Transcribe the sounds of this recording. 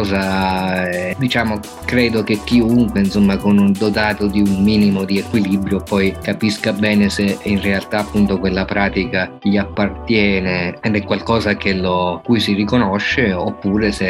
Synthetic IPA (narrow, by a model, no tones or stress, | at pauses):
za | d̪it͡ʃaːmo | kɾɛːd̪ok̟ek̟ːiuŋkweinsomːakonund̪ot̪aːt̪od̪iunmiːnimod̪iekwilibɾjopɔjkapiskabɛːneseinrealt̪aːpːunt̪okwelːapɾaːt̪ikaʎiapːart̪jɛːneed̪ɛkːwalkɔːzak̟elokujsirikonoʃːeopːuːɾese